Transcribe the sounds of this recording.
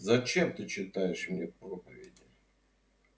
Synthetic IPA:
zɐt͡ɕe̞mt̪ɨt͡ɕːɪt̪ajɪʂmnʲepɾopəvʲɪ̰dʲɪ

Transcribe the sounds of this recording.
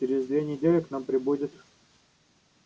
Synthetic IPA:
t͡ʃɪɾʲɪzd̪vʲenʲɪdʲelʲɪknampɾʲɪbudʲɪt̪

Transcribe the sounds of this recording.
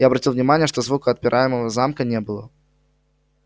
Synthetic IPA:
jaɐbɾɐtʲilˠvnʲɪmanʲɪjəʂt̪ozvukəɐt̪̚pʲɪɾʔajɪməvəzamkənʲebɨlˠə

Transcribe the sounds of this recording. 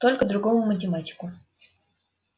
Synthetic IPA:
t̪olʲkəd̪ɾʊɡomʊmətʲɪmatʲɪ̥kʊ

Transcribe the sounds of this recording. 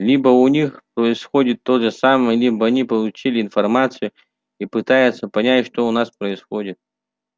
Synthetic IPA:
lʲibəʊnʲixpɾəɪsxodʲɪt̪ːoʐəsaməjəlʲibəɐnʲipəlˠʊt͡ɕilʲɪːnfɐrmat̪sɨjʊ | ipɨt̪ajɪt̪səpɐnʲætʲʂt̪oʊnaspɾəɪsxodʲɪt̪̚

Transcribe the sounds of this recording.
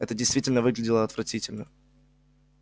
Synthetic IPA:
ɛt̪ədʲɪjst̪vʲitʲɪlʲnəvɨɡlʲɪdʲɪlˠəɐt̪vɾɐtʲitʲɪlʲnə

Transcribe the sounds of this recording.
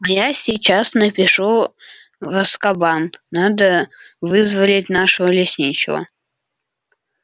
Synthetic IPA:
ɐjasʲit͡ɕasnəpʲɪʂu | vəskɐbanːad̪əvɨzvəlʲɪtʲnaʂəvəlʲɪsʲnʲit͡ɕɪ̰və̰

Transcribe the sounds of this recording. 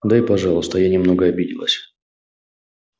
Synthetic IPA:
d̪aɪpɐʐɑlˠʊst̪əjanʲɪmno̞ɡəɐbʲidʲɪ̰lˠə̰sʲ

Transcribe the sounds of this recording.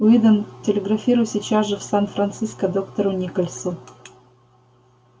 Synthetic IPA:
ʊid̪əntʲɪlʲɪɡrɐfʲiɾʊjsʲit͡ɕasʐɨfsanfɾɐnt̪sɨskəd̪okt̪oɾʊnʲikolʲsu

